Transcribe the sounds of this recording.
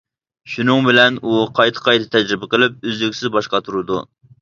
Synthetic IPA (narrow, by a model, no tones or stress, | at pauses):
ʃunɨŋbɪlɛnuqʰɑjt̪ʰə̥qʰɑjt̪ʰɨ̥t̪ʰɛd͡ʒɾɪbɨqəlˠɪp̚øzlykʲsɪzbɑʃqɑt̪ʰuɾud̪ṵ